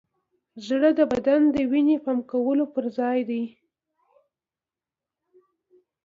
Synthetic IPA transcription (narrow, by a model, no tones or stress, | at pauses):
zɽəd̪əbad̪and̪əwinepamkawəlopəɾzɑjd̪aj